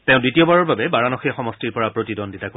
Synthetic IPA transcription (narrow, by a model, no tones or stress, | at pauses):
tẽʊ̃dwitiɔbaɹɔɹbabɛbaɹanɔxiaxɔmɔstiɹpɔɹapɹotidɔnditako